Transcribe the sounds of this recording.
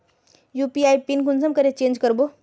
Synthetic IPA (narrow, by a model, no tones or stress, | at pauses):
juːpiaipinkunsəmkəɾet͡ʃẽːnd͡ʒkəɾbo